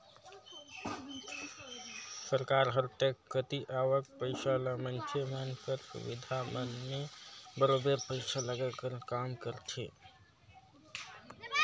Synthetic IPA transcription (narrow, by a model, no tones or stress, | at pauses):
səɾkaɾɦəɾʈekːət̪iʔaʋək̚pəɪsaləmənkʰemənkəɾsṵbḭd̪ʱamənmebəɾobeɾpəɪsaləɡəlkəɾkamkəɾt͡ʃʰi